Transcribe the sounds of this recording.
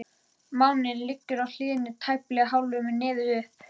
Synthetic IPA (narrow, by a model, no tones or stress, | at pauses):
mawnɪnlɪcːʏɾawl̥ɪːðɪnːɪt̪ʰajplɛɣaɦawlʏmɪnɪːðʏʏhp